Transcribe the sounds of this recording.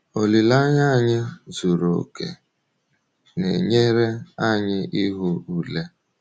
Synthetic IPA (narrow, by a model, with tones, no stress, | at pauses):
o˨li˨la˦ɲa˦˨ɲɪ˦zu˨ɾo̰˨kḛ˨ | nḛ˨ɲe˦ɾe˦a˦ɲɪ˦ʔi˦ɦʊ˦u˦le˦